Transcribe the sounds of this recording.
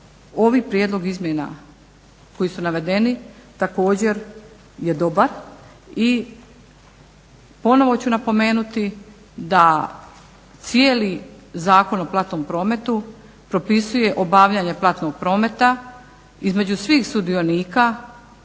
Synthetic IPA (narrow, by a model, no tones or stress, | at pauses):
o̞ʋipɾjeːd̪lˠo̞ɡizmʲjena̰ | ko̞jisunaʋe̞d̪e̞nit̪ako̞ːd͡ʑe̞ɾ | je̞d̪o̞baɾ | i | po̞no̞ʋo̞t͡ɕunapo̞me̞ːnut̪i | d̪a | t̪sijeːlizaːko̞no̞plˠat̪no̞ːmpɾo̞ːme̞t̪u | pɾo̞pisuje̞ʔo̞baʋʎaɲe̞plˠat̪no̞ɡ̚pɾo̞ːme̞t̪a | izme̞d͡ʑusʋiːxsud̪ioniːka